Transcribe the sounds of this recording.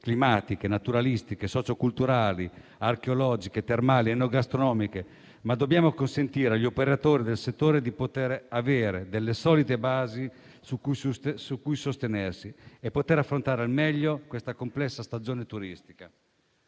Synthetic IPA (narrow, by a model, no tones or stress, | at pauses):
klimaːt̪ik̟enat̪uɾalist̪ikesɔːt͡ʃokult̪uɾaːli | arkeolɔːd͡ʒiket̪ermaːlienːoɡast̪ɾonɔːmike | mad̪ːobːjaːmokonsent̪iːɾeaʎːiopeɾat̪oːɾid̪elset̪ːoːɾed̪ipot̪eɾaveːɾed̪elːesɔːlit̪ebaːzi | sukːujsussukːujsost̪enersiepːot̪eɾafːɾont̪aːɾealmɛʎːokwest̪akomplɛsːast̪ad͡ʒoːnet̪uɾist̪i̥ka